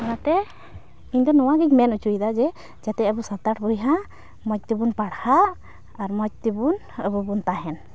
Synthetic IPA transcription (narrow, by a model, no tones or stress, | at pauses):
kɔnat̪ɛ | iɲd̪ɔnɔwaɡiɲmɛnut͡ʃuid̪ad͡ʒɛ | d͡ʒat̪ɛəbusat̪aʈbujɦã | mɔc̚t̪ibunpaɽhaː | ɾmɔc̚t̪ibun | əbubunt̪aɦɛn